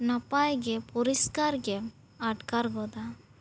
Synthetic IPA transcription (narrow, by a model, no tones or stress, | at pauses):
napajɡɛpɔɾiskaɾɡɛ | aʈkaɾɡɔd̪a